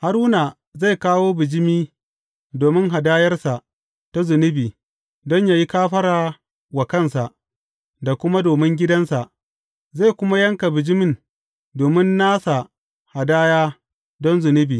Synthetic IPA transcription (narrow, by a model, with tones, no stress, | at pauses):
ha˦ɾʊ˦na˨ | za˦˨jkaː˦woː˦bɪ˨d͡ʒɪ˦miː˦ | doː˨mɪ˦ŋɦa˨daː˦jɐ˦rsa˨ʔ | ta˦zʊ˨nɪ˦biː˨ | dɔ˦ɲja˨ji˦kaː˦ɸɐ˦ɽaː˨ | wa˨kɐ˦˨nsa˨ʔ | da˨kʷʊ˦ma˦doː˨mɪ˦ŋɡʲɪ˦dɐ˦nsa˨ʔ | za˦˨kʷʊ˦ma˦jɐ˦ŋka˨bɪ˨d͡ʒɪ˦mɪ˦˨n | doː˨mɪ˦nːaː˦sa˨ | ha˨daː˦jaː˦ | dɔ˦nzʊ˨nɪ˦biː˨